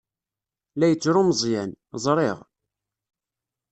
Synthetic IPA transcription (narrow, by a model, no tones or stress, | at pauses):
læjət͡sːɾʊmzˤjænzˤɾˤeʁ